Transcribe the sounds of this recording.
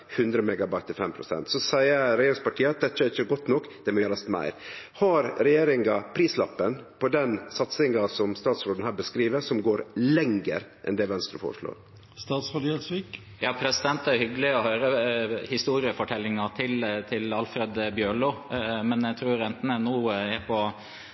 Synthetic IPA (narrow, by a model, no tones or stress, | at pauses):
hʉnd̪ɾəmɛɡɑbɑɪt̪ʰːɪlfɛmpʰɾʊsɛ̰nt̪sɔsæɪəɾɾɛjeːɾɪŋspɑʈʰiːəɑt̪̚d̪ɛt̪ːəæɾɪçəɡɔt̪ːnɔkːd̪̥ɛmɔjeːɾɑst̪mæ̰ɪɾhɑɾɾɛjeːɾɪŋɑpʰɾiːslɑpːənpʰɔd̪ɛnsɑt̪sɪŋɑsɔmst̪ɑːt̪sɾoːd̪n̩hæːɾbəskɾiːʋəɾsɔmɡoːɾlɛŋɡə̰ɾʔɛ̰nd̪ɛʋɛnst̪ɾə̰fɔ̰ːɾəʂɭo̰ːɾ | st̪ɑːt̪sɾɑt̪iːɛt̪sʋiːk | jɑːpʰɾɛsɪd̪ɛnt̪æɾhʏɡəlɪɔhøːɾəhɪst̪uːɾɪəfɔʈʰɛlːɪŋɑt̪ʰɪlt̪ʰɪlɑlfɾɛd̪bjøːɭoːmɛnæt̪ʰɾuːɾɛnt̪ənənuːɛpʰɔ